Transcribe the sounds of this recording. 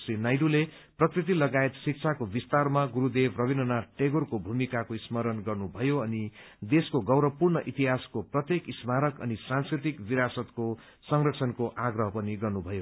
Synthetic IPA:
srinajɖule | prʌkrit̪̬ilʌɡaet̪sik̚t͡sʰakobist̪armaɡuɾud̪ebrʌβinʌnaʈeɡorkobʱumikakoismʌɾʌnɡʌrnubʱʌjoʌnid̪eskoɡʌwɾʌpurnʌʔit̪iɦaskoprʌt̪jekismaɾʌkʌ̰nisãnskrit̪ikbiɾasʌt̪ko | sʌŋrʌk̚sʰʌnkoʔaɡrʌɦʌpʌniɡʌrnubʱʌjo

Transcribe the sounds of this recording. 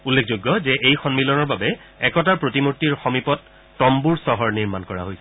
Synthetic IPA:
ulːekʰzojɡːɔzɛʔejxɔnmilɔnɔɹbabɛ | ɛkɔtaɹpɹotimoɹtːiɹxɔmipɔtː | ɔmbuɹsɔɦɔɹniɹmankɔɹa̰ɦojsɛ

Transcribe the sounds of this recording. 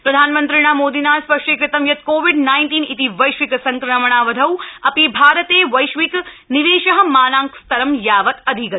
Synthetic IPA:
pɾɐd̪ʱaːnmɐnt̪ɾiɳ̃aːmoːd̪iːnaːspɐʂʈikɾit̪ɐmjɐt̪koːʋiɖnaːjnʈiːnit̪iʋɐjʃʋiksɐŋkɾɐmɐɳ̃aːʋɐd̪ʱɐwɐpibʱaːɾɐt̪eːʋɐjʃʋik | niʋeːʃɐɦɐ̆maːnaːŋkst̪ɐɾɐmjaːʋɐt̪ɐd̪ʱikɐt̪

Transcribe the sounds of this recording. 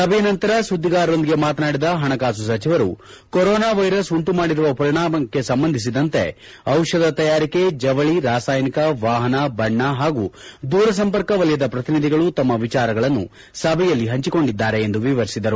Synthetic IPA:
sɐbʱɛjɐnɐnt̪ɐɾɐsud̪ʱːiɡaːɾond̪iɡe̞maːt̪naːɽid̪ɐɦɐɳɐkaːs̬us̬ɐt͡ʃiʋɐɾu | koɾɔːnaːʋɐjɾɐsuɳʈumaːɽiɾuʋɐpɐɾiɳaːmɐkːe̞sɐmbɐnd̪ʱis̬id̪ɐnt̪e̞̰ | ɐwʂɐd̪ɐt̪ɐjaːɾike̞d͡ʒɐʋɐɭiɾaːsaːjnikɐʋaːɦɐnɐbɐɳːɐɦaːɡud̪uːɾɐs̬ɐmpɐɾkɐʋɐljɐd̪ɐpɾɐt̪inid̪ʱiɡɐɭut̪ɐmːɐʋit͡ʃaːɾɐɡɐɭɐnːṵ | sɐbʱɛjɐlːiɦɐɲt͡ʃiko̞ɳɖid̪ːaːɾe̞end̪uʋiʋɐɾisid̪ɐɾu

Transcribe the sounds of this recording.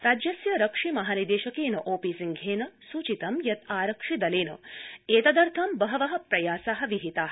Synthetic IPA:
ɾaːd͡ʒjɐsjɐɾɐkʂimɐɦaːnid̪eːʃɐkeːnɐʔoːpisiŋɡʱeːnɐsuːt͡ʃit̪ɐmjɐt̪aːɾɐkʂid̪ɐleːnɐ̰eːt̪ɐd̪ɐɾt̪ʰɐmbɐɦɐʋɐɦɐ̆pɾɐjaːsaːɦɐ̆ʋiɦit̪aːɦ

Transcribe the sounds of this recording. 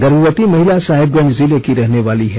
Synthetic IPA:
ɡɐɾuːɾət̪imɐɦɪlasaːɦɪb̚ɡɐ̃nd͡ʒzilekiɾɛɦneʋaːliɦɛ

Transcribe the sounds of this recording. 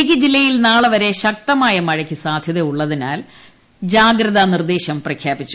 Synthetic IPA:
ikʲːid͡ʑilːɐjilnaːɭɐʋɐɾe̞ɕɐk̚t̪ɐmaːjɐmɐɻɐkʰʲːisaːd̪ʱjɐðɐjuɭːɐðinaːl | d͡ʑaːɡɾɐðɐnird̪e̞ːɕɐmprɐkʰjaːbit͡ɕːu

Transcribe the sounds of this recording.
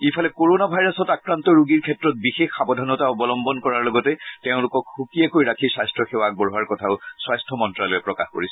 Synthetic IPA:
ipʰalɛkoɹonabʱajɹasɔtakɹantɔɹuɡiɹkʰɛtɹɔt̚bixexːabɔdʱɔnɔtaɔbɔlɔmbɔnkɔɹaɹlɔɡɔtɛteʊ̃lʊkɔkxukiakojiɹakʰisajstɹɔxewak̚bɔɹuwaɹkɔtʰaʊswajstʰɔmɔntɹalɔɛpɹɔkaxko̰ɹisɛ

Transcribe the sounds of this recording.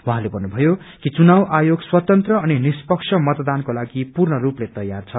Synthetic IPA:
wuɦãlebʱʌnːubʱʌjo | kit͡sunawʔajoɡswʌt̪ʌnt̪rʌːninispʌksʰʌmʌt̪d̪ankolaɡipurnʌruplet̪ʌjːart͡sʰʌ

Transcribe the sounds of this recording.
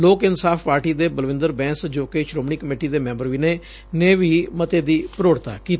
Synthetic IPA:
loːkɪnsaːfpaːɾʈiːd̪eːbəlʋɪ̃nd̪əɾbɛ̃ːsd͡ʒoːkeːʃɾoːmɳiːkəmeːʈiːd̪eːmɛ̃ːmbəɾʋiːneː | neːʋiːmət̪eːd̪iːpəɾoːɽt̪a̰ːkiːt̪ː

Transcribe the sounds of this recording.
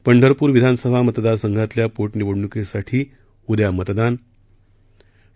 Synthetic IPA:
pəɳɖʱəɾpuːɾʋid̪ʱansəbʱamət̪d̪aɾsəŋɡʱat̪ljapoʈniʋəɽɳukesaʈʰiː | ud̪jamət̪d̪an

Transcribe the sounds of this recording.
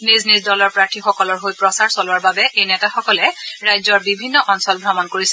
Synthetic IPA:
niznizdɔlɔɹpɹaɹtʰixɔkɔlɔɹɦojpɹɔsaɹsɔlʊwaɹbabɛʔejnɛtaxɔkɔlɛɹajzɔɹbibʱinːɔʔɔnsɔlbʱɹɔmɔnkoɹisɛ

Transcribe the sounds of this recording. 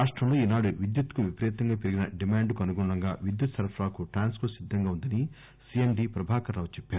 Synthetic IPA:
aːʂʈɾɐmlo̞ːiːnaːɽuʋid̪jut̪kuʋipɐɾɛːt̪ɐŋɡaːpeɾiɡinɐɖimaːɳɖkuɐnuɡuɳɭɐŋɡaːʋid̪jut̪sɐɾɐpʰɾaːkuʈɾaːnskɐɾsid̪ʱːɐŋɡaːund̪ɐni | siemɖiːpɾɐbʱaːkɐɾaːʋt͡ʃɛpːaːɾu

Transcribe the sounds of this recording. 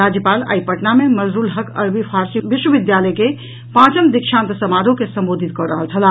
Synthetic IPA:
ɾad͡ʒjəpala̰ipəʈnameməzɾulɦəkə̰ɾbipʰaɾsiʋiʃwəʋid̪jaləjke | pãt͡ʃəmd̪ikʃãnt̪səmaɾokesəmbod̪ʱit̪̚kɔɾəɦəlt͡ʃʰəla

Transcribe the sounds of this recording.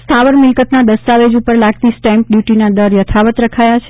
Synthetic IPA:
st̪ʰaʋəɾmɪlkət̪nad̪əst̪aʋed͡ʒupəɾlaɡ̚t̪isʈɛmp̚ɖjuʈinad̪əɾjət̪ʰaʋət̪ɾəkʰajat͡ʃʰe

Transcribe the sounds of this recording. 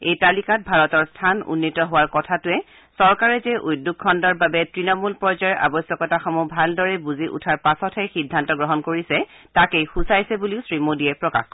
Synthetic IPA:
ejtalikat̚bʱaɹɔtɔɹstʰanṵnːitɔɦʊwaɹkɔtʰatʊɛ | sɔɹkaɹɛzɛʔujdːuk̚ʰːɔndɔɹbabɛtɹinɔmulpɹɔzaɛʔa̰bɔsjɔkɔtaxɔmubʱaldɔɹɛbuziʔṵtʰaɹpasɔtʰɛxidʱːantɔɡɹɔɦɔnkoɹisɛ | takejxusajsɛbuliʊsɹimodiɛpɹɔka̰x

